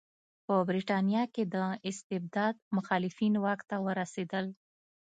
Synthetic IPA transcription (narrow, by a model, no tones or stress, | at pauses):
pəbɾiʈɑnijɑked̪əɪst̪ɪb̚d̪ɑd̪̚mʊxɑlɪfinwɑkt̪awəɾased̪əl